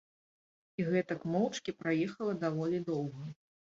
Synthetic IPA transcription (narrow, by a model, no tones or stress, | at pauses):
iɣɛt̪ɐkmɔwt͡ʂkʲipɾajɛxɐlˠɐd̪avɔlʲid̪ɔwɣɐ